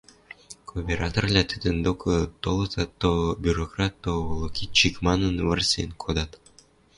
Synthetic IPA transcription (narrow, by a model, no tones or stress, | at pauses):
kopʲeɾɑt̪orlʲɑt̪ɨd̪ə̆nd̪okʰɤt̪olˠɤ̆sɑt̪ːobʲuɾokrɑt̪ːolˠokʲit͡ɕikmɑnənvə̆rsʲḛnʲkʰod̪ɑt̪